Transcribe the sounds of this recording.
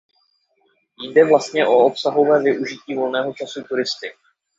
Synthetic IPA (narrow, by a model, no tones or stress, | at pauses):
jdɛvlast̪ɲɛʔo̞opsaɦo̞vɛːvɪʔuʒɪciːvo̞lnɛːɦo̞t͡ʃasut̪uɾɪst̪ɪk